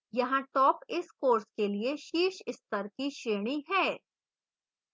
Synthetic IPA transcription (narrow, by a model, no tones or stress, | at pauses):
jɐɦãʈɔːpɪskoːɾskelieʃiːʃɪst̪əɾkiʃɾeːɽ̃iɦɛː